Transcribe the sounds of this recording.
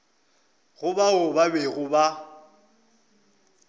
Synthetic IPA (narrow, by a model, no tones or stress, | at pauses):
ɣʊbaʊbabeɣʊba